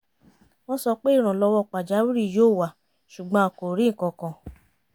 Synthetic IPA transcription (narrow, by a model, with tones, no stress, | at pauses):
w̃ɔ̃˧˦sɔ˧k͡pe˦i˦˨ɾ̃ã˨lɔ˧wɔ˦˨k͡pa˨d͡ʒa˨˦wu˦ɾi˦˨joː˦˨wa˨ | ʃu˨ɡ͡bɔ̃˧˦a˧ko˨ɾĩ˨˦ŋ̩˨kɔ̃˧kã˧